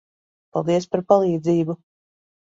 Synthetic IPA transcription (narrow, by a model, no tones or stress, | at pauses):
palˠd̪iəspaɾpalˠiːd̪ziːbu